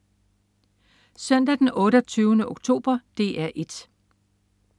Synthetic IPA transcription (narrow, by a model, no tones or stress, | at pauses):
sœn̰d̥æd̥enɔ̽ːɾɐt͡sʰyːʊnəʔoɡ̥̚t͡sʰo̝̰ːb̥ɐd̥e̝̰ːʔæɐʔe̝d̥